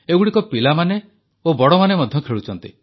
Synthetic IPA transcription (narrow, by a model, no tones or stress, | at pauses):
ebuɽikɔpilamane | obɔɽɔmanemɔd̪ʱjɔkʰeɭut͡ʃʰɔnt̪i